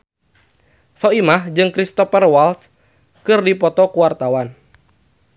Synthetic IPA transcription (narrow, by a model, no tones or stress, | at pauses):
sɔimahd͡ʒɨŋkɾist̪ɔfɛrwals | kɨrdipɔt̪ɔkuwart̪awan